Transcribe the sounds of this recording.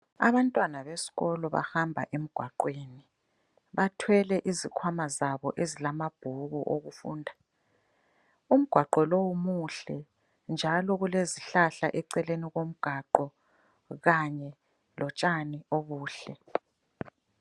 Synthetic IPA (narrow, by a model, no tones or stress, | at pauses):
a̰βantʼwanaβesi̥ɣɔlɔβa̰hambʱa̰ʔem̩ɡ̥ʱwaǃweːni | βatʰwɛlɛʔizikʰwamazaβɔʔezilamab̥ʱuɣuʔoɣufṵːndʱa | um̩ɡ̥ʱwaǃɔlowumuɬɛ | nd͡ʒʱalɔɣuleziɬaɬa̰ʔɛǀɛleniɣom̩ɡ̥ʱaǃɔ | ɣaɲɛ | lɔt͡ʃʼanioβuːɬɛ